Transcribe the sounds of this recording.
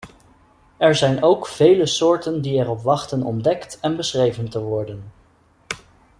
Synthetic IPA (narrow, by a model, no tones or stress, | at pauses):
ɛɹzɛjnowkv̥ejləsʊːɹtəndiɛrɔpʋɑχtənɔ̰mdɛktɛnbəsχrejvəntəʋɔɹdən